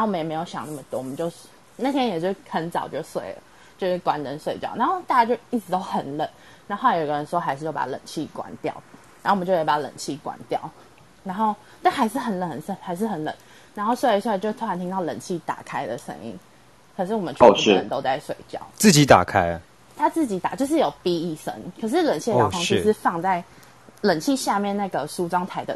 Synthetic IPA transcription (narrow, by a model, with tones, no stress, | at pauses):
na˧˥wɔ˨˩ə˦jɛ˨˩me˧˥jo˨˧˩ʊɕjɑ̰˨˩ŋna˥˩mə˩t̪wɔ˦˥wɔ˨˩ə˦nt͡ɕjo˥˧ʊ | na˥˩t̪ʰjɛ˥njɛ˨˩t͡ɕo˥˩˥xə˧˥nt͡sɑ̰˨˩ʊt͡ɕjo˥˧ʊswe˥˩ɪlə̰˩ | t͡ɕjo˥˧ʂ̩˥˩kwa˨˥nt̪ə˧˥nswe˥˧ɪt͡ɕjɑ˥˩ʊna˧˦xo˥˧ʊt̪a˥˩t͡ɕa˥˩t͡ɕjo˥˧ʊi˥˩t͡sɻ̩˧˩t̪o˥ʊxə˨˩nlə˨˩˦n | na˥˧xjo˨˩˨ɡə˧ɻə˧˦nswɔ˥xa˧˥ɪʂɻ̩˥˧jo˥˩pa̰˨˩lə̰˨˩nt͡ɕʰi˥˩kwa̰˨˩˦nt̪jɑ̰˥˩ʊ | na˨˥o˥˩˨t͡ɕo˥˧˩jɛ˧˥˩pa˨˩˥lə̰˨˩nt͡ɕʰi˥˩kwa̰˨˩˦nt̪jɑ̰˥˩ʊ | na˧˥nxo˥˧ʊ | t̪a˥˩nxa˧˥ɪʂɻ̩˥˩xə˨˥nlə˨˩nə˨˦nsə˥˩nxa˧˥ɪʂ̬̩˥˩xə˨˩nlə̰˨˩˦n | na˧˥nxo˥˧ʊswe˥˧˥swt͡ɕjo˥˧˩t̪ʰa˧nt̪ʰi˥ŋt̪ɑ˥˩ʊlə̰˨˩nt͡ɕʰi˥˩t̪a̰˨˩kʰa˥ɪd̪ə̰˨ʂə̰˧˥ŋḭ˧˥ŋ | kʰə˨˩ʂ̬̩˥˩wɔ˨˩mə˦nt͡ɕʰə̰˧˦nt̪o˥ʊt͡sa˥˧ɪʂwe˥˨ɪt͡ɕjɑ̰˥˨˩ʊt͡s̩˥˨˩t͡ɕi˨˥t̪a̰˨˩kʰa˥ɪə˨ | t̪ʰa˥t͡s̩˥˩t͡ɕi˨˥t̪a̰˨˩t͡ɕjʂ̬̩˥˩jo˨˩ʊpi˥i˥˩ʂə̰˧˥ŋkʰə˨˩ʂ̬ɻ̩˥˩lə˨˩nt͡ɕʰi˥˩ə˧jɑ˥˩fɑ˥ŋʂi˥ʂɻ̩˥˧fɑ˥˧ŋt͡sa˥˩ɪ | lə˨˩nt͡ɕʰi˥˧ɕja˥˧mjɛ˥˧˨nna˥˩ɡə˩ʂu˥ʈ͡ʂwɑ˥ŋt̪ʰa˧˥ɪd̪ə̰˧